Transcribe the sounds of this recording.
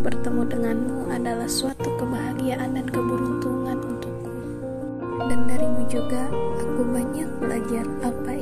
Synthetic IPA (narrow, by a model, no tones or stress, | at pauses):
bərt̪əmudəŋanmuʔadalahsuat̪ukəmaɦaɡijaʔanankəbuɾunt̪uŋanunt̪ukːu | dandaɾimud͡ʒuɡaːkubaɲak̚bəlad͡ʒarapa